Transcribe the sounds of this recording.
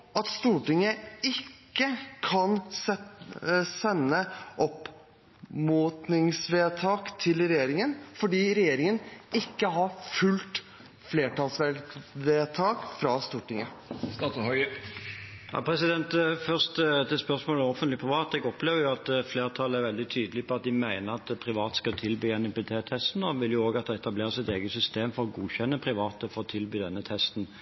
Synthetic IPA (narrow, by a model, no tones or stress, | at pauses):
ɑt̪st̪uːʈɪŋəɪkːəkʰɑn | sɛnːəʔɔp | muːt̪nɪŋsʋeːt̪ʰɑːkt̪ʰɪlɾɛjeːɾɪŋənfɔɖiːɾɛjeːɾɪŋənɪkːəɦɑɾfʉlt̪ | fleːʈɑlsʋɛʋeːt̪ʰɑːkfɾɑst̪uːʈɪŋə | st̪ɑt̪hœʏ | jɑ̰pʰʁɛsɪd̪ɛnt̪fœʁst̪d̪ɛspœʁsmoːləɔfənt̪lɪpʰɾɪʋɑːt̪ɛɡɔpleːʋəjʊɑt̪fleːʁt̪ʰɑlːəæɾʋɛld̪ɪt̪ʰyːd̪əlɪpʰɔɑt̪̚d̪ɪmæɪnəʁɑt̪pʰɾɪʋɑːt̪skɑlt̪ʰɪlbyːɛnɛpɛt̪ʰeːt̪ʰɛst̪n̩ɔʋɪljʊoːɡɑt̪̚d̪ɛɛt̪ɑbleːɾəsɪt̪eːɡəsʏst̪eːmfɔʁɔɡuːçɛnːəpʰɾɪʋɑːt̪əfɔɾɔt̪ʰɪlbyːd̪ɛnːət̪ʰɛst̪n̩